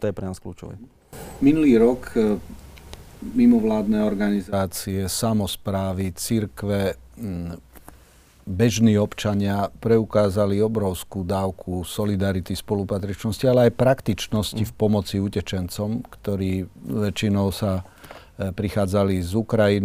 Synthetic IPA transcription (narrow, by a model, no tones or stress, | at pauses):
t̪ɔjɛpɾɛnaːsklṵːt͡ʃɔ̰ʋɛ̰ | minuliːɾɔk | mimɔʋlaːd̪nɛːɔɾɡanizaːt͡siɛsamɔspɾaːʋit͡siɾkʋɛ | bɛʒniːɔpt͡ʃaɲɪapɾɛukaːzaliɔbɾɔʊskuːd̪aːʊkʰusɔlid̪aɾit̪ispɔlupat̪ɾit͡ʃnɔscialɛajpɾakt̪it͡ʃnɔscifpɔmɔt͡siucɛt͡ʃɛnt͡sɔmkt̪ɔɾiːʋɛt͡ʃinɔʊsa | pɾixaːd͡zalizukɾajin